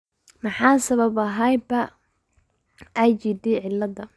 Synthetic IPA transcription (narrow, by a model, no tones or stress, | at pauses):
mɑħɑːsɐβɐbɐɦɐjbɐ | ʔɛjt͡ʃid̪ɪʕɪlːɐd̪ɐ